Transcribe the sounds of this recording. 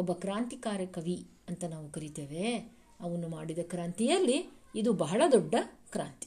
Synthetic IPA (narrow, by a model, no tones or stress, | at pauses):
ɔbːɐkɾaːnt̪ikaːɾjɐkɐʋi | ɐnt̪ɐnaːʋukɐɾit̪eːʋe̞ | ɐʋɐnːumaːɽid̪ɐkɾaːnt̪ijɐlːiːd̪ubɐɦɐɭɐd̪ɔɖːɐkɾaːnt̪i̥